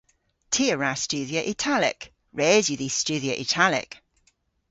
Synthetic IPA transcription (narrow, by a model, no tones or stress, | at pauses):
tʰiəɹast͡ʃʉːðiəʔɪtʰalɪ̰k | ɹɛːzjəðist͡ʃʉːðiəʔɪ̰tʰalɪ̰k